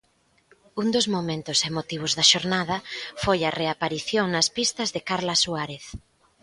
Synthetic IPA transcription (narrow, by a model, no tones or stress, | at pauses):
uŋd̪ʊzmomẽnt̪ʊsemot̪iβ̞ʊzðɐʃoɾnað̞ɐfojɐreapaɾiθjoŋnɐspist̪ɐzðɪkaɾlɐsuaɾeθ